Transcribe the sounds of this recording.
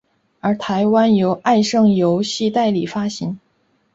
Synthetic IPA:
ə˞˧˥t̪ʰa˧˥ɪwa˥njo˧˥ʊʔa˥˧ɪʂɤ˥˩ŋjo˧˥ʊɕi˥˧t̪a˥˩ɪli˨˩fa˥ɕi˧˥n

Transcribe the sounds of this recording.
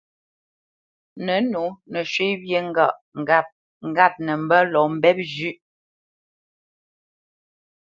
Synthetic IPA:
nə˨˦nu˨˦nə˨ʃwe˦bje˦ŋ˦ɡa˦˨ʔp̚ | ŋ̩˨ɡa˦˨p̚nə˨m̩˦bə˦lɔ˨˦m̩˦bɛ˦p̚d͡ʒʉ˦˨ʔ

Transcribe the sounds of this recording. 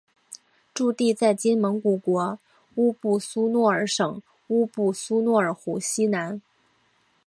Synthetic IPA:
ʈ͡ʂu˥˧t̪i˥˧t͡sa˥˩ɪt͡ɕi˥nmə˧˥ŋku˨˩kwɔ˧˥ | u˥pu˥˩su˥nwɔ˥˩ə˞˧˥ʂɤ˨˩ŋ | u˥pu˥˩su˥nwɔ˥˩ə˞˨˩xu˨˩ɕi˥na˧˥n

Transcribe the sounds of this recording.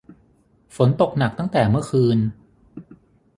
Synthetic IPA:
fo˩˦nt̪o˨˩k̚na˨˩k̚t̪a˥˩t̪ɛː˨˩mɯ˥˩ɐkʰɯː˧n

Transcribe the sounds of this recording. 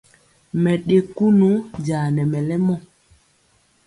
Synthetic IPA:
mɛ˨ɗe˨ku˦nu˦d͡ʒaː˨nɛ˨mɛ˨lɛ˦mɔ˦˨

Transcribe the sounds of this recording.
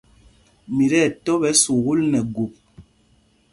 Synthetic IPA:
mi˨ɾɛ˦˨tɔ˦bɛ˦su˨ɣu˦lnɛ˨ɡu˨p̚

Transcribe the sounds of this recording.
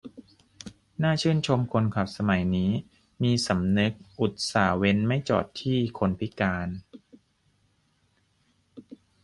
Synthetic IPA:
naː˥˩t͡ɕʰɯː˥˩nt͡ɕʰo˧mkʰo˧nkʰa˨˩p̚sa˧ma˨˩˦jniː˦˥ | miː˧sa˩˦mnɯ˦˥k̚ʔu˨˩t̪̚saː˩˦we˧nma˥˩jt͡ɕɔ̰ː˨˩t̪ʰːiː˥˩kʰo˧npʰi˦˥kaː˧n

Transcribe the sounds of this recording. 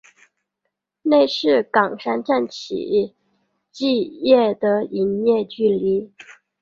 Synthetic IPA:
ne˥˧ɪʂɻ̩˥˩kɑ˨˩ŋʂa˥nʈ͡ʂa˥˩nt͡ɕʰḭ˨˩˦ | t͡ɕi˥˧jɛ˥˩d̪ə˩i˧˥njɛ˥˧t͡ɕy˥˩li˧˥

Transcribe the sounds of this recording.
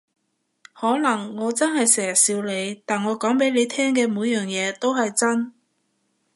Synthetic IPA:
hɔː˨˥lɐ˨˩ŋːɔː˨˧t͡sɐ˥nhɐ˨jsɛː˨˩jsiː˧wle˨˧jt̪aː˨nŋɔː˨˧kɔː˨˥ŋpe˨˥jle˨˧jt̪ʰɛː˥ŋkɛː˧muː˨˧jjœː˨ŋjɛː˨˧t̪o˥wɦɐ˨jt͡sɐ˥n

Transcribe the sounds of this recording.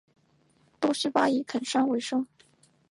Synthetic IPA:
t̪o˥ʂɻ̩˥pa˥i˧˥˩kʰə˨˩nʂɑ˥ŋwe˧˥ɪʂɤ˥ŋ

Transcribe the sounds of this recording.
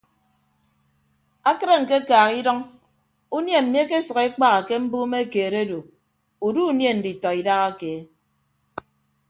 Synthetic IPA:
a˦kɨ˦ɾe˦ŋ̩˨ke˦kaː˨ɣi˦dɔ˦ŋ | u˦nje˦˨m̩˨mi˦e˦ke˦sɔ˨ɣe˦k͡pa˦ɣa˨ke˦m̩˦buː˦me˦˨keː˨ɾe˦do˨ | u˨du˦u˦nje˦n̩˨di˨tɔ˨i˨da˦ɣa˦ke˨˦

